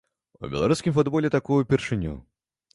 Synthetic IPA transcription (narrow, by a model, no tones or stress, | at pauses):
ṵbʲɛ̰lˠaɾuskʲimfʊd̪bɔlʲɛt̪akujʊpʲɪrʂɨnʲṵ